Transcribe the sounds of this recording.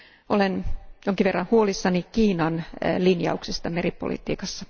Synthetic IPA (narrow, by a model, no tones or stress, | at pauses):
ʔolenjoŋkiʋerːɑnhuolisːɑnikiːnɑnlinjɑ̰uksest̪ɑmeripo̰lḭt̪ḭːkɑsːɑ